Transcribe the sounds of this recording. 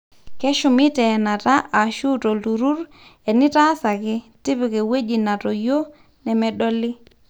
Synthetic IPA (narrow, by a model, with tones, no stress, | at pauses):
kɛ˦ʃu˨mɪ˦tɛ˨na˨ta˦ʔa˨ʃu˦to˨lu˨ɾu˦ɾ | ɛ˨nɪ˦ta˦sa˨kɪ˦ | ti˦pi˨kɛ˨we˦d͡ʒi˨na˨tɔ˨jo˦ | nɛ˨mɛ˨ɗɔ˦lɪ˦